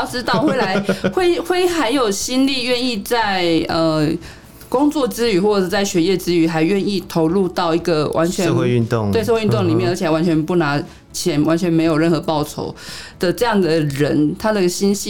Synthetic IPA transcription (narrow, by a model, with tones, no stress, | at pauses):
ʈ͡ʂɻ̩˥t̪ɑ˥˨xwɪla˧˥ɪxwe˥ɪxwe˥˩ɪxa˧˥ɪjo˨˩ʊɕi˥nli˥˧ɥɛ˥˧ni˥˧t͡sa˥˩ɪə˨˩ | kʊ˥ŋt͡swɔ˥˩t͡sɹ̩˥y˨˩˦xwɔ˥˩ʈ͡ʂə˨˩t͡sa˥˩ɪɕɥɛ˧˥jɛ˥˩t͡sɹ̩˥y˨˩xa˧˥ɪɥɛ˥˧ni˥˩t̪ʰo˧˥ʊlu˥˧t̪ɑ˥˩ʊi˧˥ɡə˨wʔa̰˧˦nt͡ɕʰɥɛ˧˦˧xwe˧y˥˧nt̪ʊ̰˥˨ŋtwe˥˧ɪʂə˥˧wt̪ŋli˨˩mjnə˧˥t͡ɕʰwa˧˥nt͡ɕʰɥɛ˧˦npu˥˩na˧˥ | t͡ɕʰjɛ˨˦nwa˧˦nt͡ɕʰɥɛ˧˥nme˧˥ɪjo˨˩ʊɻə˥˩nxɤ˧˥pɑ˥˩ʊt͡sʰo̰˨˥ʊd̪̥ə˨ʈ͡ʂɤ˥˧jɑ˥˩ŋd̪ə˩ɻə̰˧˦nt̪ʰa˥d̪ə˧i˥ɡə˩ɕi˥nɕi˥˨